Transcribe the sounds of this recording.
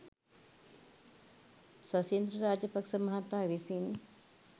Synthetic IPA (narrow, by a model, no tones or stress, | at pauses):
sɐsjend̪ɾəɾaːd͡ʒjɐpɐkʂəmɐɦat̪aːʋisin